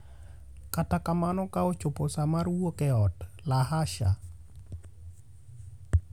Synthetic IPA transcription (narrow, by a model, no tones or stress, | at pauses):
katakamanɔkaot͡ʃʊpɔsamaɾwokɛɔt | lahaʃa̰